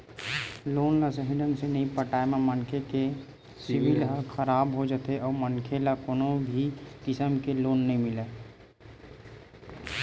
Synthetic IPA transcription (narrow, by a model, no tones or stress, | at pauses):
loːnlasəɦɪɖəmsenɐɦĩpəʈaːememənkʰeke | sɪbɪlɦəxʰəɾaːbɦod͡ʒət̪eʔɔːɾmənkʰelakoːnobʱikɪsəmkeloːnːəɦĩmɪleː